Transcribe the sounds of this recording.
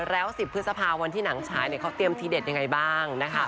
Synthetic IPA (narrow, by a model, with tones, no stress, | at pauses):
ɾɛː˦˥wsi˨˩pʰːɯ˦˥sa˧pʰaː˧wa˧nt̪ʰiː˥˩na˩˦ŋt͡ɕʰaː˩˦jni˥˩ɐkʰa˦˥wt̪i˧əmt̪ʰiː˧de˨˩t̪̚ja˧ŋa˧jbaː˥˩ŋna˦˥kʰ